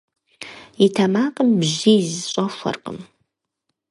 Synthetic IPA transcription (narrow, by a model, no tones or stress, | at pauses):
itʰɐmaːqʼəmbʑiːzɨɕʼɐfʷɐ̰rqʼə̰m